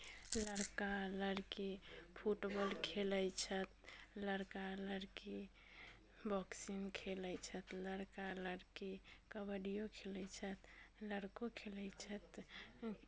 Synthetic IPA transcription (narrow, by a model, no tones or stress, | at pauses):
ləɾkaləɾkipʰuʈbɔlkʰeləjt͡ʃʰət̪̚ləɾkaləɾki | bʱɔksinkʰeləjt͡ʃʰət̪ləɽkaləɾkikəbəɽijokʰelət͡ʃʰət̪ləɾkokʰeləjt͡ʃʰət̪